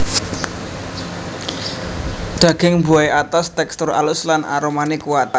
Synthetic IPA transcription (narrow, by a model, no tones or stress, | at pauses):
d̪̥ä̤ɡ̥ɪŋmbuajat̪ast̪ɛkst̪ʊɾa̰lʊslana̰ɾomanɪkuwat̪a